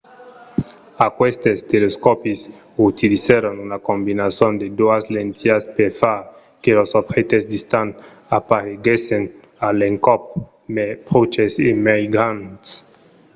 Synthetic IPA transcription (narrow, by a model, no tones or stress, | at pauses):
akwest̪est̪eleskɔpis | ut̪iliseɾonunakõmbinasjond̪ed̪oaslẽnt̪ʰiaspeɾfaɾ | kelosobxet̪esd̪ist̪an | apaɾeɡesen | aleŋkɔp̚ | mepɾot͡ʃesemajɡant̪s